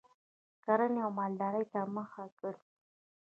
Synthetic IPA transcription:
kaɾaneawmɑld̪ɑɾəjt̪aməxakəɽ

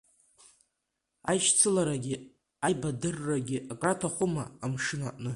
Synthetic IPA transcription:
ajʃt͡sʰɨlaɾaɡʲɪ | ajbadɨrːaɡʲɪʔakʼratʰaχʷʊma̰ːmʂɨna̰ʔnɨ

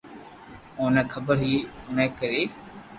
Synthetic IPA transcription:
ʊːnɛkʰəbəɾɦiːʊnẽːkəɾeː

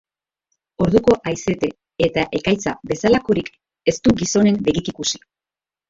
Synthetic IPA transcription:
o̞ɾðuko̞ʔajse̞t̪e̞ | e̞t̪aʔe̞kajt͡sabe̞salako̞ɾik | e̞st̪uɡiso̞ne̞mbe̞ɣikikusi̥

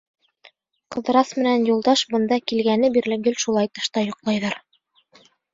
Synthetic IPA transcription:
qɤ̆ðɤ̆ɾɑsmɘ̆nænjulˠd̪ɑʃbɤ̆nd̪ɑkilɡænɘbiɾlɘɡɵlʃulˠɑjt̪ɤ̆ʃt̪ɑjŏqlˠɑjðɑɾ

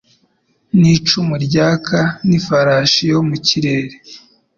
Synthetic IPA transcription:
nit͡ʃumuɾɟaːkʰanifaɾaʃijomuciɾe̞ːɾe

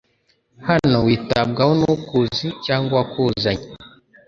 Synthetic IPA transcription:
hanowitabɡawɔnukuzit͡ʃaːŋɡwakuzaɲi

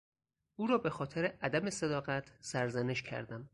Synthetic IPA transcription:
ʔuːɾɒːbexɒːt̪ʰeɾeʔæd̪æmesed̪ɒːɣæt̪ʰsæɾzæneʃcʰæ̰ɾd̪æm

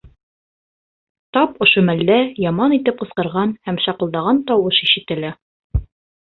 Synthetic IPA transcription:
t̪ɑpŏʃomælːæjɑmɑnit̪ɘp̚qɤ̆sqɤ̆ɾʁɑnhæmʃɑqɤ̆lˠd̪ɑʁɑnt̪ɒwɤʃiʃɘ̆t̪ɘ̆læ

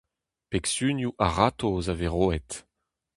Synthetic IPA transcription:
peksynjuʔaʁat̪ozaveʁoːɛt̪

